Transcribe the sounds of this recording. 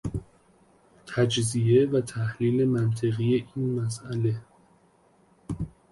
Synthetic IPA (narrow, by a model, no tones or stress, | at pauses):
t̪ʰæd͡ʒzievæt̪ʰæhliːle̞mænt̪ʰe̞ɣije̞ʔiːnmæs̬æle̞